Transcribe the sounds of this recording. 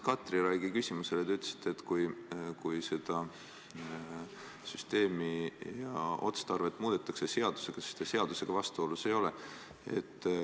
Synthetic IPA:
kɑt̪ːˑriɾɑjɡikysʲimuse̞let̪eyt̪ːˑe̥si̥t̪ːˑe̞t̪ːkujkujse̞d̪̥ɑ | syst̪e̞ːmijɑo̞t̪st̪ɑrve̞t̪ːˑmuːd̪̥et̪ːˑɑkse̞se̞ɑd̪̥u̥se̞ɡ̥ɑset̪ːese̞ɑd̪̥use̞ɡ̥ɑvɑst̪uo̞luse̞jo̞le̞ | e̞̰t̪ː

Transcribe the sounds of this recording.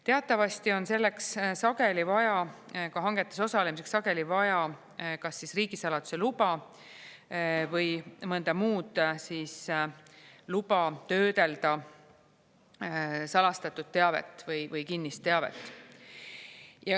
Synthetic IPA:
t̪e̞ɑt̪ːˑɑvɑst̪io̞nse̞lːe̞kssɑɡe̞livɑjɑkɑɦɑŋɡe̞t̪ːˑeso̞sɑlemise̞kssɑɡ̥e̞livɑjɑ | kɑsːisriːɡ̥isɑlɑd̪̥u̥se̞lubɑ | vɤjmɤnd̪ɑmuːd̪̥siːs | lubɑt̪ø̞ːd̪e̞ld̪̥ɑ | sɑlɑst̪ɑt̪ːˑud̪̥̚t̪ːe̞ɑve̞̰t̪ːˑvɤjvɤjkinːist̪ːe̞ɑvḛt̪ːˑ | jɑ

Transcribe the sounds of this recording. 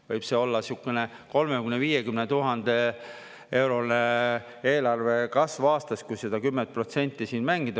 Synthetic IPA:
vɤjb̥se̞o̞lːɑsjukːˑene | ko̞lmekynːeviːjekymnet̪uɦɑnd̪̥e̞ | e̞wɾo̞ne | eːlɑrve̞kɑsvɑːst̪ɑskujsed̪̥ɑkymːent̪̚pro̞t̪se̞nʲt̪ːˑisiːnmæŋɡ̥id̪ɑ

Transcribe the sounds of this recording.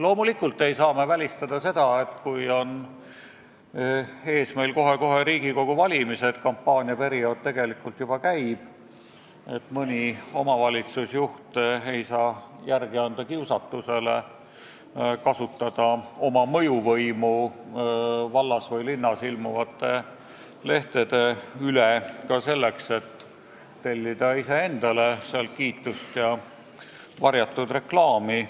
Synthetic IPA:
lo̞ːmulikːˑult̪ːˑe̞jsɑːme̞vælʲist̪ɑd̪̥ɑse̞d̪̥ɑe̞t̪kujo̞n | e̞ːsme̞ilko̞ɦe̞ko̞ɦe̞ɾiːɡ̥iko̞ɡ̥uvɑlʲimise̞t̪kɑmpːɑːnʲiɑpe̞ɾio̞ːd̪̥̚t̪e̞ɡ̥e̞likːˑult̪jub̥ɑkæjb̥ | et̪mɯnʲio̞mɑvɑlʲit̪susjuht̪ee̞jsɑː | jærɡ̥iɑnd̪̥ɑkiwsɑt̪ːuse̞le | kɑsut̪ːˑɑd̪̥ɑo̞mɑmɤ̞juvɤjmu | vɑlːɑsvɤjlinːɑsilmuvɑt̪ːˑe̞ | le̞ht̪ed̪̥e̞ylekɑse̞lːekse̞t̪ː | elʲːid̪̥ɑise̞e̞nd̪̥ɑle̞seɑlt̪̚kiːt̪ːˑust̪jɑ | vɑrjɑt̪ːud̪re̞klɑːmi

